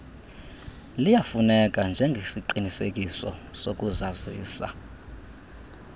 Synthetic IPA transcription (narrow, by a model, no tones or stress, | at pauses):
lijafunɛk̬ʼand͡ʒʱɛŋɡʱesiǃinisek̬ʼisɔ̰sok̬ʼuzaziːsa̰